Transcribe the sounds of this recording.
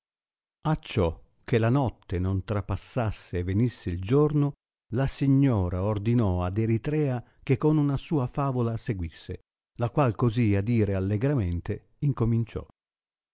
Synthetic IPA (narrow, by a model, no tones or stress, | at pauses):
at͡ʃːɔ | kːelanɔt̪ːenont̪ɾapasːasːeːvenisːeild͡ʒorno | lasiɲːɔːɾaord̪inɔad̪eɾit̪ɾɛːa | k̟ekːonunasuːafaːvolaseɡwisːḛ | lakwalkoziad̪iːɾealːeɡɾament̪e | iŋkomint͡ʃɔ̰